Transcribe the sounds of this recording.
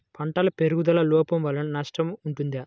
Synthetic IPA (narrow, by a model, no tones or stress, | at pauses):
pʰɐɳʈɐlɐpeɾuɡud̪ɐlɐlɔːpɐmʋɐlːɐnnɐʂʈɐmuɳʈund̪ɐ